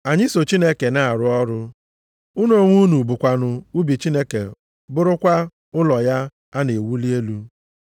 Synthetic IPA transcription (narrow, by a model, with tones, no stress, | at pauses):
a˨ɲɪ˦so˨t͡ʃi˦ne˦ke˨na˨a˨ɾʊ˦ɔ˦ɾʊ˦ | u˦n˦o˨˦˨ŋʷu˦nu˨bʊ˨kʷa˨nʊ˨u˦bi˨t͡ʃi˦ne˦kḛ˨ | bʊ˦ɾʊ˦kʷa˦ | ʊ˦lɔ˨ja˦ | a˦ne˨wu˦li˦e˦lu˦